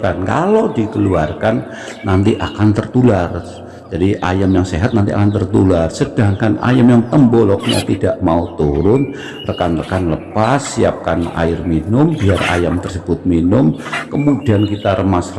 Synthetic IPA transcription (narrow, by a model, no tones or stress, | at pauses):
kanka̰lodikəluarkanː | ant̪iʔakant̪ərt̪ular | d͡ʒadiʔa̰jamjaŋseɦat̪̚nant̪ia̰kant̪ərt̪ularsəd̥aŋkana̰jamjaŋt̪əmbɔlɔkəɲa̰t̪idaʔmaut̪uɾʊn | rəkanrəkanləpasːia̰p̚kana̰ɪrminʊmbiara̰jamt̪ərsəbʊt̪̚minʊm | kəmudiankit̪aɾəmasr